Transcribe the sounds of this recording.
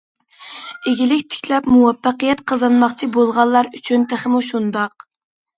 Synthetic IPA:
eɡʲilɪkʲt̪ʰɪ̥kʲlɛpmuwɑpːɑqijɛt̪qʰɑzɑnmɑχt͡ʃʰibolˠʁɑlˠːɑɾyt͡ʃʰynt̪ʰəχəmuʃund̪ɑq̚

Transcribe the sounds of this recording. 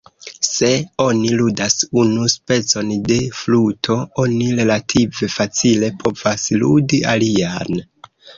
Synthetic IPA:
se̞o̞niludasunuspe̞t͡so̞nde̞flutʰo̞o̞niɾe̞latʰive̞fat͡sile̞pʰo̞vasludiʔalian

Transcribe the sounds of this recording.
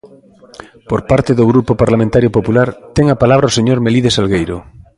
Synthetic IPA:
poɾpaɾt̪eðoɣ̞ɾupopaɾlamẽnt̪aɾjopopulaɾt̪eŋapalaβ̞ɾaoseɲoɾmeliðesalɣejɾo̰

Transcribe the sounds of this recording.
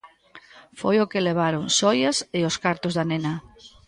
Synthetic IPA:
fojokɪleβ̞aɾoŋsɔjɐsɪoskaɾt̪ozðanenɐ

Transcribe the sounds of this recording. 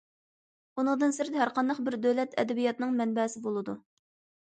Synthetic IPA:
unɨŋd̪ɨnsɪɾɪd̪ɛɦæɾqʰɑnd̪ɑqbɪɾd̪øwlɛt̪ʰɛ̰d̪ɛbijɑt̪nɨŋmɛnbɛsɪbolˠɨd̪u

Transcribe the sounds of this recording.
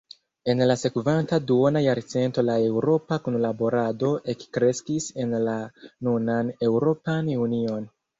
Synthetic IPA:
e̞nlase̞kvantaduonajaɾt͡se̞nto̞lae̞wɾo̞pakonlabo̞ɾado̞ʔe̞kkɾe̞skise̞nlanunane̞wɾo̞panunio̞n

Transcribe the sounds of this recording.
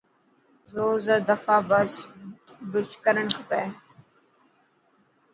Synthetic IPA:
ɾoːzəd̪əfaːbəs | bɪt͡ʃkəɾənkʰəpeː

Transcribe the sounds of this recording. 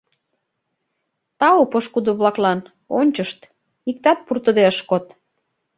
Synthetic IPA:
t̪ɑopoʃkud̪oβlɑklɑn | onʲt͡ɕəʃt̪ | ik̚t̪ɑt̪̚purt̪ə̆d̪eəʃkot̪

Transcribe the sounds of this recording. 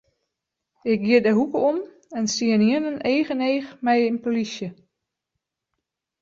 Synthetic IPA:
ɪk̚ɡiədəɦukəom | ɛnsiəniənəneːɣəneːxmɛjinpolisjə

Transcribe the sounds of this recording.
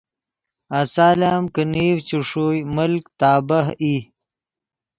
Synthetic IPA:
asaːlaːmkəniːwt͡ɕuʂuːjmʊlkt̪aːbaɦi

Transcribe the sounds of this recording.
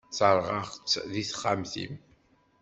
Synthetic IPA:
t͡sːəɾˤʁɑʁt͡sːðiθχːamθḭm

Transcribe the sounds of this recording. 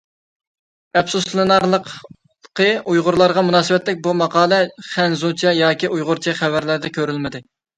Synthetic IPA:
ɛpsuspʰlˠɨnɑɾlˠəq | qəujʁʊɾlˠɑɾʁɑmunɑːsɨwɛt̪lɪk̚ʲbumɑqɑːlˠɛχɛnzut͡ʃʰɛjɑːkʲiʔujʁʊɾt͡ʃʰɛχævæɾlæɾd̪ɛkʲʰøɾylmɪd̪ɪ

